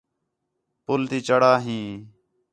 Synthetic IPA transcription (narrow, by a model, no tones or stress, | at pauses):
pʊlt̪iːt͡ʃəɽaːɦĩː